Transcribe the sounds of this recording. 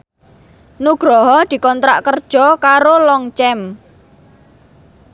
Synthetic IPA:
nuɡ̥ɾɔɦɔd̪̥i̤kɔnt̪ɾaʔkərd̥ʒ̥ɔ̤kaɾolɔŋt͡ʃɛm

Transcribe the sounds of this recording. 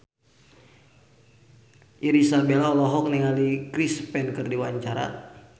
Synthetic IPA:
ʔiɾisarbɛlaɔlɔɦɔk̚niŋalikɾispɛnkɨrdiwaɲt͡ʃaɾa̰

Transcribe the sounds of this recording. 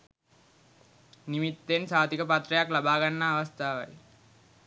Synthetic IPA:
nimit̪ːensaːt̪ikəpat̪rəjaklabaːɡanːaːʋast̪aːʋa̰j

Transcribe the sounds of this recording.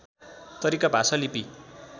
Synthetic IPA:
t̪ʌɾikabʱasʌlipi

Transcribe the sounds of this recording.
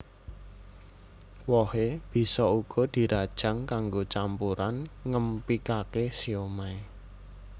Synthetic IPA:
wɔheb̥i̤sɔuɡ̥ɔ̤d̪̥i̤ɾad̥ʒ̥a̤ŋkaŋɡot͡ʃampuɾanŋəmpikakesiomae

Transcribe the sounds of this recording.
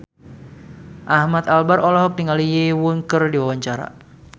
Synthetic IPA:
ʔahmat̪albaɾɔlɔɦɔk̚diŋalijewuŋkərdiwawaɲt͡ʃaɾa̰

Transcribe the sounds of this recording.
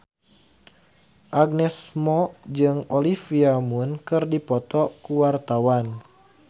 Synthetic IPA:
ʔaɡ̚nɛsmɔd͡ʒɨŋɔlifiamunkɨrdipɔt̪ɔkuwart̪awan

